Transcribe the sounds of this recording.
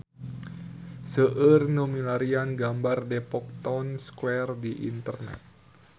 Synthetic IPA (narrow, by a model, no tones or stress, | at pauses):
səʔərnomilaɾianɡambardepɔk̚t̪ɔnskwɛrdiʔḭnt̪ərnɛ̰t̪̚